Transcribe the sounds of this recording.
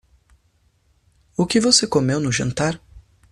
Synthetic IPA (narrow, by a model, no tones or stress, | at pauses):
ʊkɪvosekomewnʊʒɐ̃nt̪aɾ